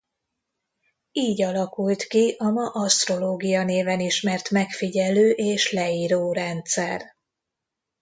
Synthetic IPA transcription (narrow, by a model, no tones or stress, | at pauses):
iːɟɒlɒkult̪kiʔɒmɒʔɒst̪ro̞loːɡijɒneːvɛniʃmɛrt̪mɛkfiɟɛløːʔeːʃlɛiːɾoːɾɛnt̪sɛr